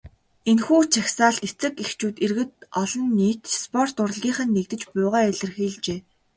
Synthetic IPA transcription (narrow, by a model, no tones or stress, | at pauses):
enxuːt͡ɕʰaxsaːɮt̪et͡sɘ̆kext͡ɕuːt̪erɣɘ̆t̪ɔɮɞ̆nːiːt̪spʰɔr̥t̪ʊrə̆ɮɣʲiːɴχə̆nːekt̪ɘ̆t͡ɕpʊːʁaːæɮɘ̆rxiːɮt͡ɕeː